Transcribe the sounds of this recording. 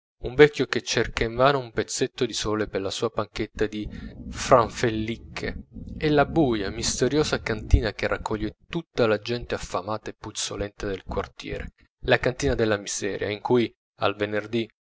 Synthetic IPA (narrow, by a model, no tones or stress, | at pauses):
uɱvɛkʲːjoket͡ʃːerkaiɱmaːnoumpet̪sːet̪ːod̪isɔːleperlasuːapaŋk̟et̪ːad̪ifɾaɱfelːikʰːḛɛlːabuːjamist̪eɾjoːzakant̪iːnakerːʔakːɔʎːet̪ut̪ːalad͡ʒɛnt̪eafːamaːt̪aepːut̪so̰lɛnt̪ad̪elkwart̪jɛ̰ːɾe | lakant̪iːnad̪elːamiz̥ɛːɾja̰iŋkuj | a̰lvenerd̪i